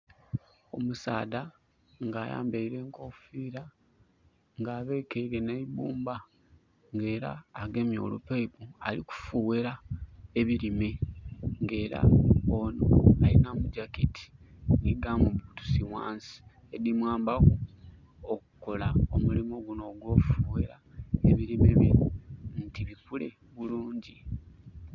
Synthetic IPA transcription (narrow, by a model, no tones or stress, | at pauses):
o̞̰musaːda | ŋɡaːja̰ːmbeiɾe̞ːŋkofiɾa | ŋɡaːβe̞ːkeiɾe̞neibuːmba | ŋɡe̞ːɾa̰ːɡe̞mjo̞̰ːlupeipua̰liku̥fuweɾaeβiɾime̞ŋɡe̞ːɾa̰onoalinamuɟaketʰi̥ | niɡamuβutu̥siwaːnsi̥ | ed̪imwaːmbaɡu | oku̥ko̞laomulimoɡuno̞ːɡwo̞ːfuweɾa | eβiɾimeβḭuntiβikule̞̰ | βuluːɲɟi